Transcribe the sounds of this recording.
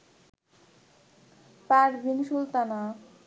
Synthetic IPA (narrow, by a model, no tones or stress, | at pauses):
paɾbinʃult̪ana